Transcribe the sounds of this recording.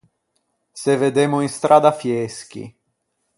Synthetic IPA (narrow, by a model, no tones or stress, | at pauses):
seved̪emʊinst̪ɾaːd̪afjesk̟ḭ